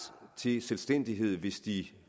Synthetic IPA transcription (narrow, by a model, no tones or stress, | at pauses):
t͡sʰe̝selsd̥en̰d̥iɦe̝ð̞̰ˠʋe̝sd̥i